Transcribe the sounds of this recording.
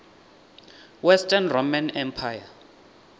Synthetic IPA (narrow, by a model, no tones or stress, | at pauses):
wɛstʰʼanromanɛmpʰaja